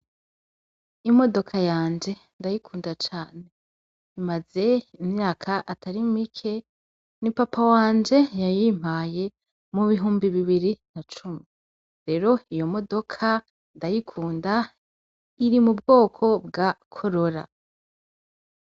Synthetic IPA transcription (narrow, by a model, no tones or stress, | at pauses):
imo̞do̞kʰajaːnd͡ʒe̞ndajikʰuːndat͡ʃaːne | imaze̞imɲaːkʰaʔatʰaɾimikʰe̞ | nipapʰawaːnd͡ʒe̞jajim̥haje̞ | muβiɦuːmbiβiβiɾinat͡ʃumi | ɾe̞ɾo̞ijo̞mo̞do̞kʰa | ndajikʰuːnda | iɾimubɡo̞ːkʰo̞b̚ɡakʰoɾo̞ɾa̰